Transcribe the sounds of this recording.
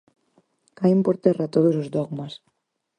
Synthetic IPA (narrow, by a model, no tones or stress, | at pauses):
kaempoɾt̪ɛrat̪oðosozd̪ɔɣmas